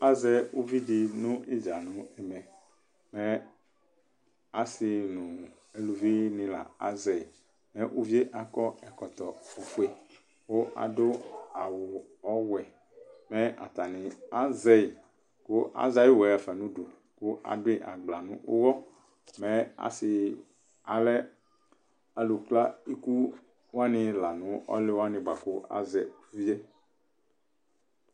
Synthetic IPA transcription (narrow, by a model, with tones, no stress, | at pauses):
a˦zɛ˦wu˦vi˦ɖi˨nũ˦e˦d͡ʒa˨nũ˨ɛ˨mɛ̃˨ | mɛ̃˦ | a˨si˨nũ˨ | e˦lu˨vi˦nĩ˦la̰˨a˦zɛ˨ | mẽ˦ʔu˦vi˦e˦ʔa˨kɔ˦ɛ˨kɔ˨t̪ɔ˨o˨fu˦e˦ | wo˦ʔa̰˨do˦a˨wo˨ | ɔ˦wɛ˨ | mẽ˦ʔa̰˨t̪a˨nĩ˨a˦zɛ˦i˨ | ko˦ʔa̰˦za˦ji˦wɛ˨ɛ˨fɛ˨nũ˦ɖo˨ | ko˦ʔa̰˨dʊ˦i˦ʔa˨ɡ͡bla˨nũ˦ʔo˦wɔ˦ | mɛ̃˦a̰˨sɪ˨ | a˨lɛ˦ | a˨lu˨k͡pla˦i˦ku˦ | wa˦nɪ̃˨la˨nũ˨˦ʔɔ̰˦lɪ˦wa˦nɪ̃˨ba˨ko˦ʔa̰˦zɛ˨˦vi˦e˦